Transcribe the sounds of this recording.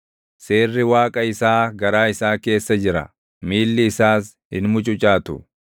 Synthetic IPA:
se̞ːrːɪwaːkʼɐɪsaːɡɐɾaːɪsaːke̞ːsːɐd͡ʒɪɾɐ̰ | miːlːɪːsaːs | hɪ̰nmʊt͡ʃʼʊt͡ʃʼaːt̪ʊ̰

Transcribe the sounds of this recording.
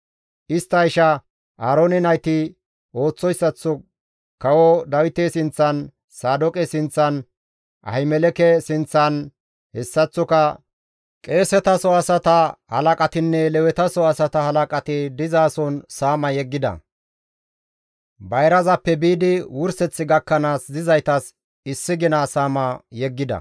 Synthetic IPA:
ʔɪst̪ːɐɪʃɐ | ʔaːɾonɪnɐjt̪ɪ | o̞ːt͡sːɔjsːɐt͡sːɔ | kɐwɔd̪ɐwɪt̪esɪnt͡sːɐn | saːd̪ɔkʼɛsɪnt͡sːɐn | ʔɐ̰ɪmɛlɛkɛsɪnt͡sːɐn | hɛsːɐt͡sːɔkɐ | kʼe̞ːsɛt̪ɐsɔɐsɐt̪ɐhɐ̰lɐkʼɐt̪ɪnːɛlɛwɛt̪ɐsɔɐsɐt̪ɐhɐlɐkʼɐt̪ɪd̪ɪzaːsɔnsaːmɐjɛɡːɪd̪ɐ̰ | bɐjɾɐzɐpːɛbiːd̪ɪwʊɾsɛt͡sːɪɡɐkːɐnaːsd̪ɪzɐjt̪ɐs | ɪsːɪɡɪnaːsaːmɐjɛɡːɪd̪ɐ̰

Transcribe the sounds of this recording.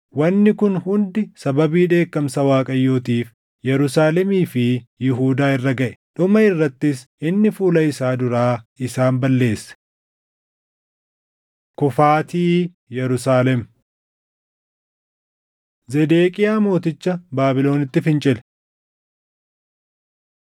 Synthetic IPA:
wɐnːɪkʊnhʊnd̪ɪsɐbɐbiːᶑe̞ːkːɐmsɐwaːkʼɐjːo̞ːt̪iːf | jɛɾʊsaːlɛmiːfɪjɪɦuːd̪aːɪrːɐɡɐʔɛ̥ᶑʊmɐɪrːɐt̪ːɪs | ɪnːɪfuːlɐɪsaːd̪ʊɾaːɪsaːmbɐlːe̞ːsːɛ̥ | kʊfaːt̪iː | jɛɾʊsaːlɛm | zɛd̪eːkʼɪjaːmo̞ːt̪ɪt͡ʃːɐbaːbɪlo̞ːnɪt̪ːɪfɪnt͡ʃʼɪlɛ̥

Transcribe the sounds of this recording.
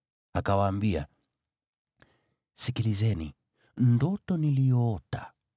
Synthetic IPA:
akawaːmbia̰ | sikilizɛnḭ | ndɔtɔnilijɔɔta

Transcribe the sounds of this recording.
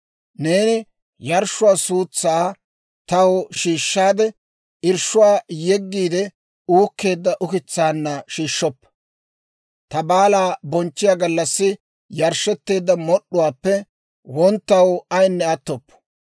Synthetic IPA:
ne̞ːnɪ | jɐɾʃʊwaːsuːt͡sːaː | t̪ɐwʃiːʃːaːd̪ɛ | ɪɾʃʊwaːjɛɡːiːd̪ɛ | uːkːe̞ːd̪ːɐʔʊkɪt͡sːaːnːɐʃiːʃːɔpːɐ | t̪ɐbaːlaːbɔnt͡ʃːɪjaːɡɐlːɐsːɪ | jɐɾʃːɛt̪ːe̞ːd̪ːɐmɔɗʊwaːpːɛ | wɔnt̪ːɐwɐjnːɛɐt̪ːɔpːɐ̥

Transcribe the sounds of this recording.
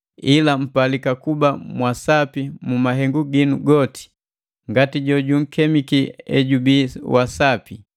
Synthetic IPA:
ilam̩palikakubamwasapimumaɦɛŋɡuɡinuɡɔti̥ | ŋɡatiɟɔɟuŋ̩kɛmikiɛ̰ɟubiwasapi

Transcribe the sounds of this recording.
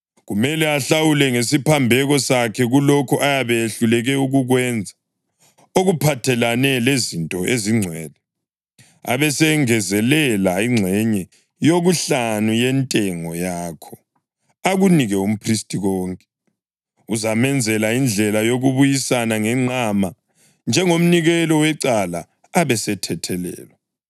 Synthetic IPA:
ɣumɛlɛaɬawulɛŋesipʰambʱɛɣɔsakʰɛɣulɔkʰɔʔajaβɛeɬulɛɣɛuɣuɣwɛnd͡zʱa | oɣupʰatʰɛlanɛlezintʼɔʔeziŋ͡ǀʱwɛːlɛ | a̰βɛsɛŋɛzɛlɛlaiŋ͡ǀʱɛɲɛ | joɣuɬanujɛntʼɛŋɔjaːkʰɔ | aɣuniɣɛum̩pʰristʼiɣɔːŋkʼɛ̥ | uzamɛnd͡zʱɛlaind͡ɮʱɛlajoɣuβujisanaŋɛŋ͡ǀʱama | nd͡ʒʱɛŋom̩niɣɛlɔwɛǀala̰ː | βɛsɛtʰɛtʰɛlɛ̰ːlwɛ

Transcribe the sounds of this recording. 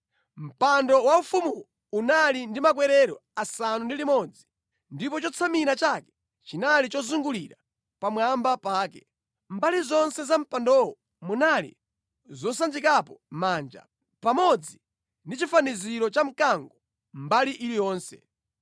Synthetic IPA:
m̩pandɔwaufumuɔ | unalindimak̬wɛɾɛɾɔasanundilimɔd͡zi | ndip̬ɔt͡ʃɔt͡sʰamiɾat͡ʃakɛ̥ | t͡ʃinalit͡ʃɔzuŋɡuliɾa | pamwambapaːkɛ̰ | mbalizɔnsɛzam̩pandɔwɔ | munalḭ | zɔs̬and͡ʒikapɔmaːnd͡ʒa̰ | pamɔd͡zi | ndit͡ʃifaniziɾɔt͡ʃam̩kaŋɡɔ | m̩baliʔilijɔːnsɛ

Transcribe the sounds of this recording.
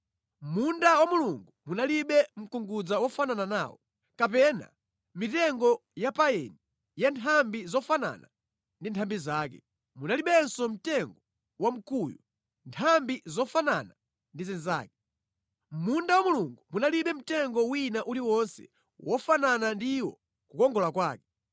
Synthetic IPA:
mundawamuluŋɡumunaliɓɛm̩kuŋɡud͡zawɔfananana̰ːwɔ̰ | kap̬ɛna̰ | mitɛŋɡɔjapaɛni | jantʰambizɔfana̰na | ndintʰambizaːkɛ̰ | munaliɓɛnsɔm̩tɛŋɡɔ | wam̩kuju | ntʰambizɔfanana | ndizɛnza̰ːk̚ɛ̥ | mmundawamuluŋɡumunaliɓɛm̩tɛŋɡɔwinaʔuliwɔnsɛ̰ | wɔfananandiwɔ̰ | kukɔŋɡɔlakwaːkɛ̥

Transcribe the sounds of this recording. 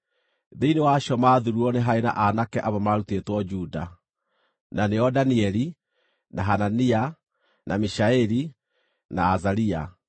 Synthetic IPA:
ðeinewaʃɔmaðuɾuɔneɦaena̰ʔanakɛʔaβamaɾutetwɔd͡ʒuda | naneɔdaniɛɾi | naɦanania | namiʃaɛɾi | naːzaɾia

